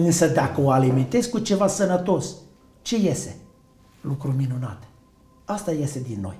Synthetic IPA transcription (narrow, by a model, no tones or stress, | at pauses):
ɨnsəd̪akəoaliment̪e̞zkut͡ʃe̞vasənət̪o̞s | t͡ʃe̞je̞se̞ | lukɾuminuna̰t̪ | ast̪aje̞sed̪inːo̞̰j